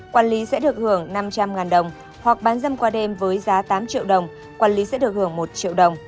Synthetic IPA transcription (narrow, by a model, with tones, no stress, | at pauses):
kwaː˧˩nli˨˦sɛ̰˧˥ɗɨ˨˩ək̚hɨ˧˩əŋna˧mt͡ɕa˧mŋaː˨˩nɗə˨˩wŋ͡m | hwa˨˩k̚ɓaː˨˦nzə˧mkwaː˧ɗe˧mvəː˨˦jzaː˨˦t̪aː˨˦mt͡ɕḭ˧˨wɗə˨˩wŋ͡m | kwaː˧nli˨˦sɛ̰˧˥ɗɨ˨˩ək̚hɨ˧˩əŋmo˨˩t̚t͡ɕḭ˧˨əwɗə˨˩wŋ͡m